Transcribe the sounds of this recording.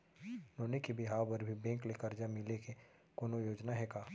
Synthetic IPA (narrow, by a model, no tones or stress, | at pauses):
noːnekibɪɦaːwbəɾbʱibɛ̃ːklekəɾd͡ʒamɪleke | koːnojoːd͡ʒnaɦɛːkaː